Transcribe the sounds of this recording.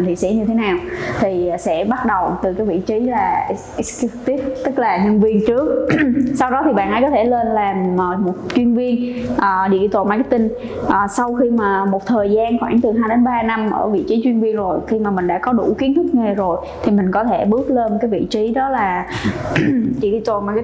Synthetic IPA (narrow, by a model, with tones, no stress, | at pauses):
nt̪ʰḭ˨˧˨sḭ˧˥ɲɨ˧t̪ʰe˨˦naː˨˩wt̪ʰi˨˩sɛ̰˧˥ɓa˦˥t̚ɗə˨˩wt̪ɨ˨˩kaː˨˦jvḭ˧˨t͡ɕi˨˦laː˨˩ʔsk̚t̪i˦˥t̚t̪ɨ˦˥k̚laː˨˩ɲə˧nvi˧ənt͡ɕɨ˦˥ək̚sa˧wɗɔ˨˦t̪ʰi˨˩ɓa̰ː˧˨nʔə˨˦jkɔ˨˦t̪ʰe˧˩le˧nlaː˨˩məː˨˩mo˨˩t̚t͡ɕwi˧ənvi˧ənʔːɗḭ˧˨t̪wo̰˧˨˩maː˧˩ka˦˥kt̪ï˧n | ʔəː˨˩sa˧wxi˧maː˨˩mo˨˩t̚t̪ʰəː˨˩jzaː˧nxwaː˧˩ŋt̪ɨ˨˩ɦaː˧jɗe˨˦nɓaː˧na˧mʔə̰ː˧˩vḭ˧˨t͡ɕi˨˦t͡ɕwi˧ənvi˧ənzo˨˩jxi˧maː˨˩mï̟˨˩ɗa̰ː˧˥kɔ˨˦ɗṵ˧˩ki˨˦ənt̪ʰɨ˦˥k̚ŋe˨˩zo˨˩j | t̪ʰi˨˩mï˨˩ŋ̟kɔ˨˦t̪ʰe˧˩ɓɨ˦˥ək̚le˧nkaː˨˦jvḭ˧˨t͡ɕi˨˦ɗɔ˨˦laː˨˩ | ɗḭ˧˨ɗi˧t̪o˨˩nma˧˩k